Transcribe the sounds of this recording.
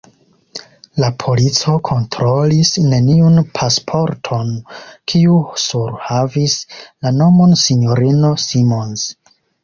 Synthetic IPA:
lapʰo̞lit͡so̞kʰo̞ntɾo̞lisne̞niunpʰaspʰo̞ɾtʰo̞nkʰiusuɾhavislano̞mo̞nsiɲo̞ɾino̞simo̞ns

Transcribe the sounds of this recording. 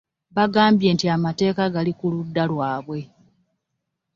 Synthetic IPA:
βaɡaːmbje̞ːntiamate̞ːkaɡalikuludːalwaːβwe̞

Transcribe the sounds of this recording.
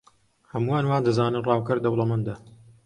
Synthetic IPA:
hɐmuwaːnwaːnd̪ɐzaːnɨnrˤɑːwkɐɾd̪ɐwlˠɐmɐnd̪a

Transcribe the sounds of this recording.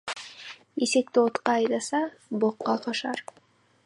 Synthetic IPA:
isek̚t̪ɪot̪qɑːjd̪ɑsɑboqːɑqʰɑʃɑ̰ɾ

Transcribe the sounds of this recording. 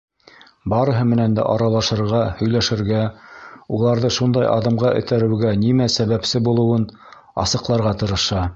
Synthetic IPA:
bɑɾɤ̆ɦɤmɘ̆nænd̪æ̰ʔɑɾɑlˠɑʃɤ̆ɾʁɑhɵ̆jlæʃɘ̆ɾɡæulˠɑɾðɤʃund̪ɑjʔɑ̰ðɤ̆mʁɑʔɵ̰̆t̪æɾɘ̆wɡænimæsæβæpsɘbulˠɤ̆wɤn | ɑ̰sɤ̆qlˠɑɾʁɑt̪ɤ̆ɾɤ̆ʃɑ

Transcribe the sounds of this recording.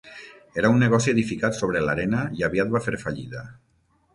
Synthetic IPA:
eɾaunːeɣ̞ɔsieðifikat̪soβɾelaɾenaiaβiat̪̚bafeɾfaʎḭðə

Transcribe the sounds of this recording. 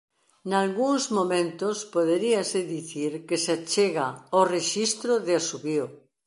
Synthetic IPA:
nalɣuŋzmõmẽnt̪ospoðeɾiaseðiθiɾkesat͡ʃeɣaoreʃist̪ɾoðeasuβio

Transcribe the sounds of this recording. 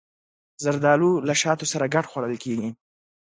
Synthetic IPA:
zaɾd̪ɑlulaʃɑt̪osaɾaɡaʈxwaɽəlkeɡi

